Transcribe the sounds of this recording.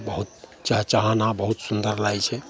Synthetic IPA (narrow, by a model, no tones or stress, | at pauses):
bəɦut̪̚t͡ʃat͡ʃaɦanabəɦut̪sund̪əɾlajt͡ʃʰɛ